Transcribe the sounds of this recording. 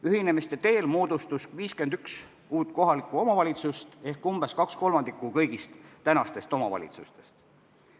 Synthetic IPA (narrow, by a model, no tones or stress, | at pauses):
yhine̞mist̪e̞t̪e̞ːlmoːd̪̥ust̪usviːske̞nd̪̥yks | uːt̪ˑko̞ɦɑlikːˑuo̞mɑvɑlʲit̪sust̪e̞hkumb̥e̞skɑksko̞lmɑnd̪̥ikːˑukɤ̞jɡ̥ist̪ːænɑst̪e̞st̪o̞mɑvɑ̰lḭt̪sust̪e̞̥st̪